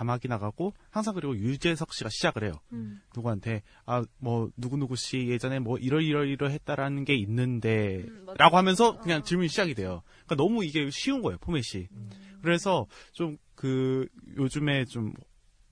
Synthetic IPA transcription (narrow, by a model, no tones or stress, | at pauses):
amɦaɡinaɡaɡ͈ohaŋs̬ʰaŋɡɯɾiɡojud͡ʑe̞sʰʌk̚ɕ͈iɡaɕʰid͡ʑaɡɯɾɦe̞jonuɡuantʰe̞ | amwʌnuɡunuɡuɕ͈ije̞d͡ʑʌnemwʌʔiɾʌɭiɾʌɾiɾɯɭɦe̞t̚t͈aɾanɯnɡe̞inːɯnde̞ɾʔaɡoɦamjʌnsʰʌkɯɲaŋt͡ɕiɭmunɕʰid͡ʑaɡidwe̞jo | k͈anʌmuiɡe̞ɕʰiunɡʌe̞jopʰome̞ɕ͈ʰikɯɾe̞sʰʌt͡ɕom | kɯjod͡ʑume̞t͡ɕomʌ